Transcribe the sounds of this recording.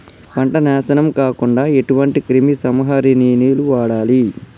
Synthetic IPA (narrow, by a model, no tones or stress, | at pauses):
pɐɳʈɐnɛːsɐnɐmkaːkuɳɖaːe̞ʈuʋɐɳʈikɾimisɐmɐɦɐɾiniːniːluʋaːɽaːli